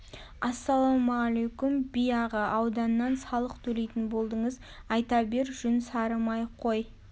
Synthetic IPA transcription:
ɑsːɑlˠomɑʁalejkumbijɑʁəʔɑwd̪ɑnːɑnsɑlˠəqt̪ʰɵle̞jt̪ɪnbo̞lˠd̪əɴəz | ɑjt̪ɑbe̞ɾʒ̥ʏnsɑɾəmɑjqʰo̞j

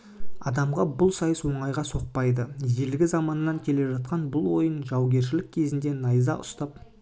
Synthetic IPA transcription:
ɑd̪ɑmʁɑbʊlˠsɑjəswo̞ɴɑjʁɑso̞q̚pɑjd̪əjelɡʲɪzɑmɑnəːɑŋkʲʰe̞le̞ʒɑt̪̚qɑnbʊlˠwo̞jənʒɑwɡʲe̞ɾʃ̬ɪlɪk̚ʲʰe̞zɪnd̪e̞nɑjzɑʔʊ̰st̪ɑp̚

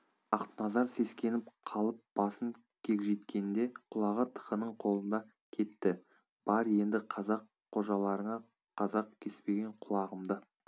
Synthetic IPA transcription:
ɑqt̪ənɑzɑɾse̞skʲe̞nɪp̚qʰɑlˠəp̚b̥ɑsəŋ | kʲʰe̞kʲʒe̞t̪kʲe̞nɪnd̪e̞qʰʊlˠɑʁət̪ʰə̥qənəɴqʰo̞lˠənd̪ɑ | kʲʰe̞t̪ːɪ | b̥ɑɾje̞nd̪ɪqʰɑzɑqʰːo̞ʒɑlˠɑɾəɴɑ | qʰɑzɑq̚kʲʰe̞spe̞ɡʲe̞ɴqʰʊlˠɑʁəmd̪ə

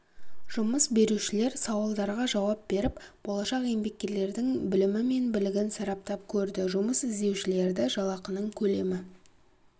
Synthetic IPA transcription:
ʒ̥ʊməsbe̞ɾuʃɪle̞ɾsɑwlˠd̪ɑɾʁɑʒɑwɑp̚be̞ɾɪpb̥o̞lˠɑʃɑqe̞mbe̞k̚ʲːe̞ɾle̞ɾd̪ɪŋbɪlɪmɪme̞nbɪlɪɡʲɪnsɑɾɑp̚t̪ɑp̚kʲʰɵɾd̪ɪʒʊməsɪzd̪e̞wʃɪle̞ɾd̪ɪʒɑlˠɑqənəɴkʲʰɵle̞mɪ

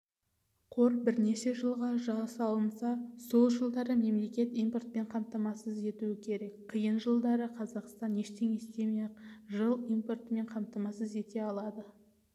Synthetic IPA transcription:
qʰo̞ɾbɪɾne̞ʃe̞ʒəlˠʁɑʒɑsɑlˠənsɑso̞lˠʒəlˠd̪ɑɾəme̞mle̞kʲe̞t̪ijmport̪̚pe̞ɴqʰɑmt̪ɑmɑsəze̞t̪uwɪkʲʰe̞ɾe̞kqʰəjənʒəlˠd̪ɑɾəqʰɑzɑqst̪ɑne̞ʃt̪e̞ŋest̪e̞meʒəlˠijmpo̞rt̪əme̞ɴqʰɑmt̪ɑmɑsəze̞t̪e̞ɑlˠɑd̪ə

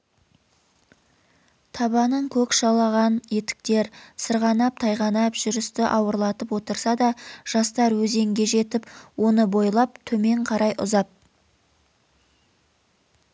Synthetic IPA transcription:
t̪ʰɑβɑnəɴkʲʰɵkʃɑlˠɑʁɑnje̞t̪ɪ̥k̚t̪e̞ɾsəɾʁɑnɑp̚t̪ʰɑjʁɑnɑpʒ̥ʏɾɪst̪ɪʔɑwəɾlˠɑt̪əpwo̞t̪əɾsɑd̪ɑʒ̥ɑst̪ɑɾwɵze̞ŋɡʲe̞ʒe̞t̪ɪpwo̞nəbo̞jlˠɑp̚t̪ʰɵme̞ɴqʰɑɾɑjʔʊ̰zɑp̚

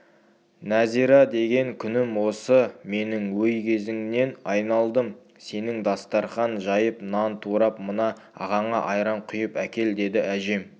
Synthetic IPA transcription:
næziɾɑd̪e̞ɡʲe̞ŋkʲʰʏnɪmwo̞səme̞nɪŋwɵjkʲʰe̞zɪŋne̞nɑjnɑlˠd̪əm | se̞nɪŋd̪ɑst̪ɑɾχɑnʒɑjəpnɑnt̪ʰuɾɑpmənɑ | ɑ̰ʁɑɴɑʔɑjɾɑɴqʰʊjəpækʲe̞ld̪e̞d̪ɪʔæʒe̞m

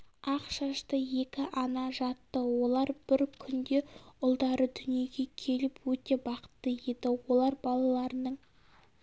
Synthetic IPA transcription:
ɑqʃɑʃt̪əje̞kʲɪʔɑnɑʒɑt̪ːəwo̞lˠɑɾbɪɾkʲʰʏnd̪e̞ʊlˠd̪ɑɾəd̪ʏnije̞ɡʲe̞kʲʰe̞lɪpwɵt̪e̞bɑqə̥t̪ːəje̞d̪ɪwo̞lˠɑɾbɑlˠɑlˠɑɾənəɴ

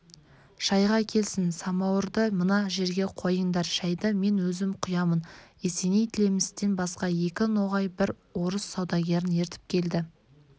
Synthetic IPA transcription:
ʃɑjʁɑkʲʰe̞lsɪnsɑmɑwəɾd̪əmənɑʒe̞ɾɡʲe̞qʰo̞jəɴd̪ɑɾʃæjd̪əme̞nwɵzɪmqʰʊjɑmənese̞nejt̪ʰɪle̞mɪst̪e̞nbɑsqɑje̞kʲɪno̞ʁɑjbɪɾ | wo̞ɾəsːɑwd̪ɑɡʲe̞ɾɪne̞ɾt̪ɪ̥p̚kʲʰe̞ld̪ɪ

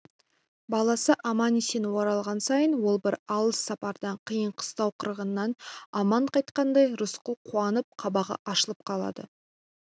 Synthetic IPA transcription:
bɑlˠɑsəʔɑmɑnisenwoɾɑlˠʁɑnsɑjənwo̞lˠbɪɾɑlˠəsːɑpɑɾd̪ɑɴqʰəjəɴqʰə̥st̪ɑwqʰəɾəʁənːɑnɑmɑɴqʰɑjt̪̚qɑnd̪ɑjɾʊsqəlˠqʰuɑnəp̚qʰɑbɑʁɑ̰ʔɑʃəlˠəp̚qʰɑlˠɑ̰d̪ə̰

